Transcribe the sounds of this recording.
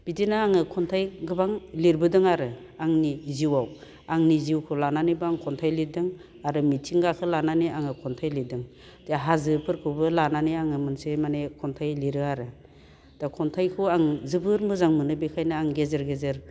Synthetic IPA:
b̥idinaaŋɯkʰɔntʰajɡɯbaŋliɾbɯdɯŋaɾɯ | aŋniziwaw | aŋniziwkʰɯlananibɯaŋkʰɔntʰajlidɯŋ | aɾɯmitʰiŋɡakʰɯlananiʔaŋɯkʰɔntʰajlidɯŋ | d̥aɦazɯpʰɯɾkʰɯwbɯlananiaŋɯmɯnsemanekʰɔntʰajliɾɯaɾɯ | d̥akʰɔntʰajkʰɯwaŋzɯbɯɾmɯzaŋmɯnɯbikʰajnɯaŋɡezeɾɡezɯɾ

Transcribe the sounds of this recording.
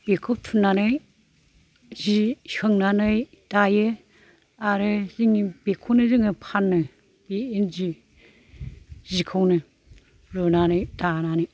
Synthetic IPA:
b̥ekʰup̚tʰunːanɯj | zihɯŋnanɯj | d̥ajɯ | aɾɯziŋib̥ekʰuwnɯziŋɯpʰanːɯ | b̥eenzi | zikʰɯwnɯ | ɾɯnanɯjdananɯj

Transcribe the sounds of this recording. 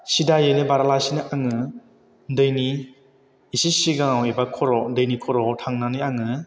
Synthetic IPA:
sidajɯnɯbaɾalajsinɯʔaŋɯ | dɯjni | isisiɡaŋawebakʰɔɾɔdɯjnikʰɔɾɔtʰaŋnanɯjaŋɯ

